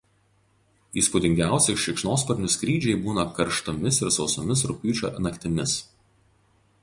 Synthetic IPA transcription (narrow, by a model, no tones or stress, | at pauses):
iːspuːd̪ʲɪŋʲɡʲæˑʊsʲɛɪʃʲɛɪkʃnoːspɔɾʲnʲʊsʲkɾʲiːd͡ʒʲɛɪbuːnɐkɐɾʃt̪ɔmʲɪsɪɾsɒʊsomʲɪsɾʊpʲyːt͡ʃʲo̰ːnɐkʲt̪ʲɪmʲɪs